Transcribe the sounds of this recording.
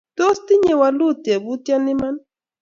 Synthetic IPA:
t̪ost̪ɪɲewalut̪abut̪janɪman

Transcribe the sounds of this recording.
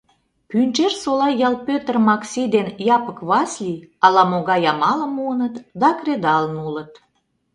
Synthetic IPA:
pynt͡ʃersolɑjɑlpøt̪ərmɑksʲid̪enjɑpəkβɑslʲiɑlɑmoɣɑjɑmɑləmuənət̪d̪ɑkred̪ɑlənulət̪̚

